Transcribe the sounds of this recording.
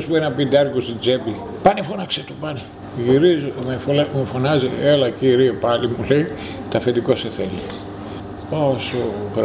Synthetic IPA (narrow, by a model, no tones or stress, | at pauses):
spuenɐpind̪ɐɾkost̪id͡zepi | pɐnefonɐkset̪opɐne | ʝiɾizomefolmefonɐzielɐciɾiepɐlimulei | t̪ɐfet̪ikoseθeli | osoɣɾ